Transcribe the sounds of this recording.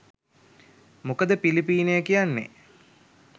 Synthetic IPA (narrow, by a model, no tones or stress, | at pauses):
mukəd̪əpilipiːnejəkijanːḛ